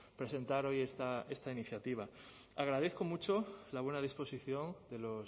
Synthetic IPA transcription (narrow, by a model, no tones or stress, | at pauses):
pɾe̞sẽ̞nt̪aɾo̞jest̪ae̞st̪ainiθjat̪iβ̞a | aɣɾað̞eθko̞mut͡ʃo̞laβ̞wenaðispo̞siθjo̞nd̪e̞lo̞s